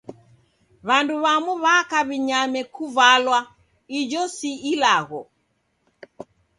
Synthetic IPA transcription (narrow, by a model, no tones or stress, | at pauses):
βanduβamuβakaβiɲamɛkuvalwa | id͡ʒɔsiilaɣɔ